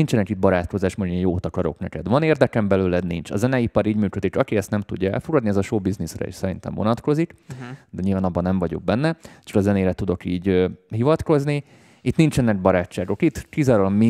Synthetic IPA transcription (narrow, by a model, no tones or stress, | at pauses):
int͡ʃɛnɛkid̪̚bɒɾaːt̪ko̞zaːʃmoejjoːt̪ɒkɒɾo̞̰knɛkɛd̪ʋɒneːrd̪ɛkɛmbɛløːlɛd̪nint͡ʃɒ̰zɛnɛipɒɾiːɟmyːkød̪iʃɒkiɛst̪nɛmt̪uɟːɒɛ̰lfo̞ɡɒd̪niɛzɒʃoːbiznisrɛ̰ḭːʃsɛɾint̪ɛ̰mvo̞̰nɒt̪ko̞zikd̪ɛɲilvaːnɒbːɒnɛɱvɒɟo̞̰ɡ̚bɛnːɛt͡ʃɒkɒzɛneːɾɛt̪ud̪o̞kiːɟɦivɒt̪ko̞zni | it̪nint͡ʃɛnːɛɡ̚bɒɾaːt͡ʃːaːɡo̞kit̪kizaːɾolɒmmi